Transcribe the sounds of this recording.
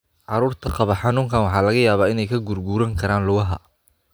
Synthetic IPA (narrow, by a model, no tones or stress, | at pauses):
ʕɑɾuːrt̪ʰɐqɑβɐħɑnuːŋkʰɐnwɑħɑːlɐɣɐjaːβaːɪnɛjkʰɐɡʊrɡuːɾɐŋkʰɐɾaːnlʊɣɐɦɐ̰